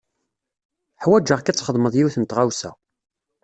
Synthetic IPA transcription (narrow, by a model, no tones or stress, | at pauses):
ħwæd͡ʒːəʁkæt͡sːχəðˤməðˤjiwθənt̪ʁawsæ̰